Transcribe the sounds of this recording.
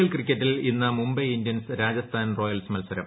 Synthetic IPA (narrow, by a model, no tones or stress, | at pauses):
ɐlkrikʲːɐtːilinːɐmumbɐindjɐnsɾaːd͡ʑɐst̪ʰaːnro̞ːjɐlsmɐlsɐɾɐ̰m